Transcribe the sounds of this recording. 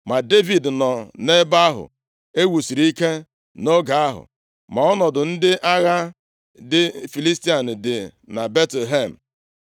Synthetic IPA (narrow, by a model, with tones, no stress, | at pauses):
ma˨de˦vi˨dnɔ˨ne˦ba˦ɦʊ̰˨ | e˦wu˨si˨ɾi˦ke˦ | no˦ɡa˨a˦ɦʊ̰˨ | ma˨ɔ˦nɔ˨dʊ˨n̩˦dɪ˦ʔa˦ɣa˦ | dɪ˦fi˨li˦sti˦a˨n̩˨dɪ˨ | na˨be˦tle˨ɦe˦˨m̩˨